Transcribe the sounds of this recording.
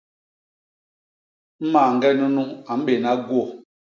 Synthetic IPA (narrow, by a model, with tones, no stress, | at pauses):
m̩˦ma˨ŋ̩˦ɡɛ˦nu˦nu˦a˨m̩˦ɓe˨na˦ɡwo˦˨